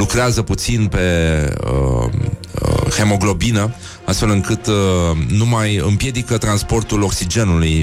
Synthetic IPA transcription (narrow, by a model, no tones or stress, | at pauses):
lukɾeazəput̪sinpe̞ə̰ | he̞mo̞ɡlo̞binə | ast̪fe̞lɨŋkɨt̪numajɨmpje̞d̪ikət̪ɾanspo̞rt̪ulo̞ksid͡ʒe̞nuluj